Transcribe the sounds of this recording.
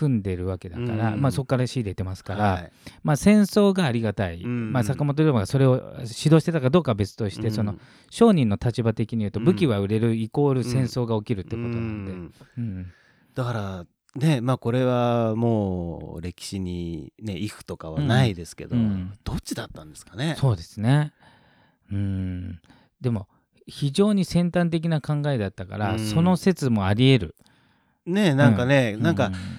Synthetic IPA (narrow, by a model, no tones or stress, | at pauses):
kɯ̟̃nd̪e̞ɾɯ̟βake̞d̪akaɾamaːso̞kːaɾaɕiːd̪e̞it̪emasɨ̥kaɾamaːsẽ̞ɰ̃so̞ːɡaːɾʲiɡat̪aimasakamo̞t̪̬o̞ɾoːbaɡaso̞ɾe̞o̞ɕid̪o̞ːɕit̪et̪akad̪o̞ːkabe̞t͡sɨ̥t̪o̞ɕi̥t̪e̞so̞no̞ | ɕo̞ːɲ̟ĩnːo̞t̪at͡ɕibat̪e̞kʲiɲ̟iɯ̟ːt̪o̞bɯ̟kʲiβaɯ̟ɾe̞ɾɯ̟iko̞ːɾɯ̟sẽ̞ɰ̃so̞ːɡao̞kʲiɾɯ̟t̪ːeko̞t̪o̞nãnd̪e̞ɯ̟̃ː | d̪̥akaɾa | ne̞maːko̞ɾe̞βamo̞ːɾe̞kʲi̥ɕiɲ̟ine̞iɸɯ̟̥t̪o̞kaβanaid̪e̞sɨ̥ke̞̰d̪oɯ̃d̪̥o̞t͡ɕid̪at̪ːãnd̪e̞̥sɨ̥kane̞so̞ːd̪e̞sɨne̞ | ɯ̟̃ː | d̪e̞mo̞ | çiʑo̞ːɲ̟isẽ̞nt̪ãnt̪̬e̞k̬ʲinakãŋɡae̞d̪at̪ːaka̰ɾaso̞no̞se̞t͡sɨmo̞aɾʲie̞ɾɯ̟̰ | ne̞nãŋkane̞nãŋka